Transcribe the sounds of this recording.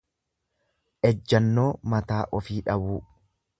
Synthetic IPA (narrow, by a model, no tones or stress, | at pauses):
ʔɛd͡ʒːɐnːoːmɐt̪aːʔɔfiːᶑɐbuː